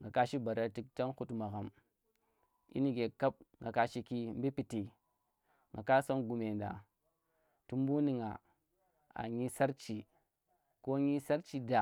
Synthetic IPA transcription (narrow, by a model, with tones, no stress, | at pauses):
ŋɡa˨ka˦ʃi˦ba˨ɾa˨ti˦kta˦nxu˦tma˨ɣa˨m | ḭ˦ni˦ɡe˨ka˦p̚ŋɡa˨ka˦ʃi˦ki˦m˦bi˦pi˨ti˨ | ŋɡa˨ka˦so˦nɡu˨me˨nda̰˨ | ti˦m˦bu˦ni˦ŋa̰˨ | a̰˨ɲi˦sa˦ɾt͡ʃi˨ | ko˦ɲi˦sa˦ɾt͡ʃi˦da˨